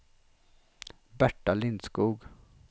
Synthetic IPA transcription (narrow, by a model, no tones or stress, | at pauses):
bæʈːalɪnskuːɡ